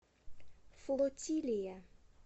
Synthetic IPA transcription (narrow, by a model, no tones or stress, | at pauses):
flot̪ːilija